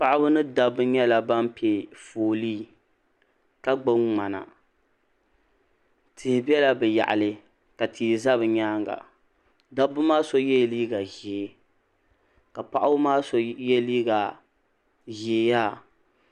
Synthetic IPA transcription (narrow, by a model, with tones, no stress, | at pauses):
pa˨ʔa˦bʊ˦nɨ˦da˨bɨ˦ɲɛ˦la˨ba˦npɛ˨foː˨liː˦ | ka˦ɡ͡bʊ˦ŋŋ͡ma˨na̰˨ | tʰɪ˨hɪ˨bi˦ɛ˦la˦bɛ˨ja̰˨ʔa̰˨lɨ˦ | ka˨tʰiː˨za˦bɨ˨ɲaː˦ŋɡa̰˨ | da˦bʊ˦maː˦so˦jɛ˦˨liː˦ɡa˨ʒe˨˦ | ka˨pa˨ʔa˦bʊ˦maː˦so˦jɛ˦liː˦ɡa˨ | ʒe˨ja˦